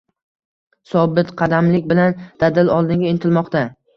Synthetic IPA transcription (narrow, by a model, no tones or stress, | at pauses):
sɒbɪt̪qʰɑd̪amlɪkʲbɪland̪̥ad̪ɪlɒlˠd̪ɪŋɡʲaɪnt̪ʰɪlmɒqt̪a